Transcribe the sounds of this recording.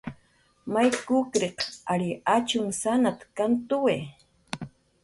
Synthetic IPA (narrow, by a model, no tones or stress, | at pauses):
majkʊkɾeqaɾiat͡ʃʊŋsanat̪kant̪uwe